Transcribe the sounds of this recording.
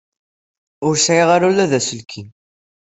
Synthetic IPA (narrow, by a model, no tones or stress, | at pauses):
ʊɾsaiʁaɾulːæðæsəlkʰin